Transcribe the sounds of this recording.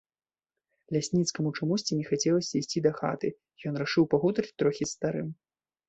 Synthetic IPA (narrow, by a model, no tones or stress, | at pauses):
lʲasʲnʲit̪skɐmut͡ʂamusʲt͡sʲinʲɛxat͡sʲɛlˠɐsʲɐisʲt͡sʲid̪ɐxa̰t̪ɨ | jɔnraʂɨwpaɣut̪ɾɨt͡sʲt̪ɾɔxʲist̪aɾɨm